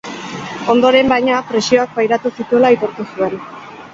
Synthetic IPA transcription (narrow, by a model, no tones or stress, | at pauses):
o̞nd̪o̞ɾe̞mbajɲapɾe̞sio̞ak̚bajɾat̪usit̪ue̞lait̪o̞ɾt̪usue̞n